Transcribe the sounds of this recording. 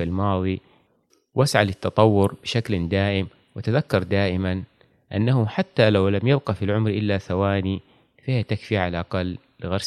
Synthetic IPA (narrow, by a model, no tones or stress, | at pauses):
ilmɑːðˤi | wʔasʕalɪt̪ːɑt̪ˤɑwːʊɾbɪʃakld̪aːʔɪm | wɪt̪aðakːɑɾˤd̪aːʔɪman | ʔanːahʊħat̪ːalawlamjɪbqɑfilʕʊmɾʔɪlːaθawaːni | fahijat̪akfiʕalʔaɑqɑlːɪɣɑɾˤs